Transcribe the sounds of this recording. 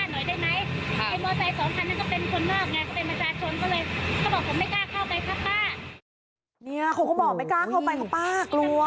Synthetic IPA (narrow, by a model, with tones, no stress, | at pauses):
a˥˩nɔ˨˩˦jdaː˥˩jma˦˥jʰa˧˩mɔː˧t͡ɕa˧jsɔː˨˦mpʰa˧nːaː˥˩kɔ˥˩pe˧nkʰo˧nːɔː˥˩k̚naː˧˥kɔ˥˩pe˧npɾa˧t͡ɕʰaː˧t͡ɕʰo˧nkɔː˥˩lɤː˧jkʰa˥˩bɔː˨˩˨ma˥˩jkaː˥˩kʰa˥˩wpa˧jkʰaː˥˩p̚laː˥˩ | ni˦˥˩ɐ˨kʰa˧˩kɔ˥˩bɔː˨˩k̚pa˧jkaː˥˩kʰa˥˩wpa˧jkʰa˨˩paː˥˩klu˧